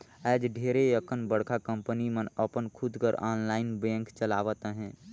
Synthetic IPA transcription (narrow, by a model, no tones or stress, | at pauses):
ɛːd͡ʒɖʱeːɾejəkənbəɽ̤kʰakə̃mpənimənəpənkʰʊd̪kəɾaːnlaːɪnbẽːŋkt͡ʃəlaːʋət̪ɦɛ̃ː